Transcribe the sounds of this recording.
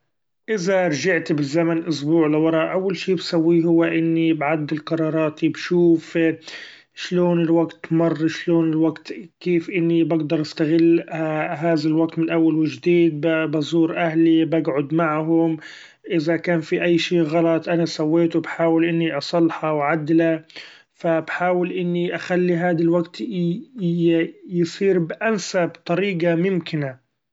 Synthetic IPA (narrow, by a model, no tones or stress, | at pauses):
ʔɪzaɾˤʒaʕt̪bɪzːamanʔʊsbuːʕlɪwɑɾˤɑʔʔawːalʃiːbsawːiɦʊwːaʔɪnːibʕad̪ːɪlqɑɾˤɑːɾˤɑːt̪ibʃuːf | ʃloːnɪlwaɡt̪mɑrˤːʃloːnɪlwaɡt̪keːfʔɪnːibaɡd̪ɑɾˤʔast̪aɣɪlːɦaːðalwaɡ̚t̪mɪnʔawːalwɪʒd̪iːd̪̚bbɑzˤuːɾʔahlibaɡʕʊd̪maʕɦʊm | ʔɪðakaːnfiʔajːʃiːɣɑlɑt̪ˤʔanasawːeːt̪wbħaːwɪlʔɪnːiʔɑsˤɑlːħɑwʕad̪ːla | fabħaːwɪlʔɪnːiʔaxalːiɦaːd̪alwaɡt̪ | jsˤiːɾbʔansabt̪ˤɑɾiːɡamʊmkɪna